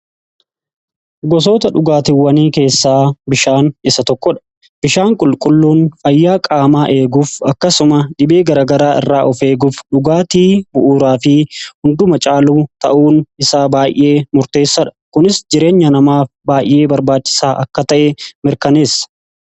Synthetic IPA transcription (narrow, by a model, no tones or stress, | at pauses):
ɡɔs̬o̞ːt̪ɐᶑʊɡaːt̪ɪwːɐniːke̞ːsːaːbɪʃaːnɪsɐt̪ɔkːɔᶑɐ̥ | b̥ɪʃaːŋkʼʊlkʼʊlːuːnfɐjːaːkʼaːmaːʔe̞ːɡuːfɐkːɐsʊmɐᶑɪbe̞ːɡɐɾaːɡɐɾaːʔɪ̰rːaːʔɔfe̞ːɡufᶑʊɡaːt̪iːbʊʔuːɾaːfɪhʊnd̪ʊmɐt͡ʃʼaːluːt̪ɐ̰ʔuːnɪsaːbaːjʔʔe̞ːmʊɾt̪e̞ːsːɐᶑɐ̥kʊnɪsd͡ʒɪɾe̞ːɲːɐnɐmaːfbaːjʔe̞ːbɐɾbaːt͡ʃːɪ̥saːʔɐkːɐt̪ɐʔɛmɪɾkɐneːsːɐ̥